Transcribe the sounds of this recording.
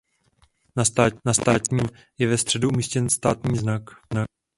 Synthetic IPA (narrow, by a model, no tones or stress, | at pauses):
nanast̪aːt̪ɲiː | jɛvɛst̪r̝̥ɛduʔumiːscɛnst̪aːt̪ɲiːznakzna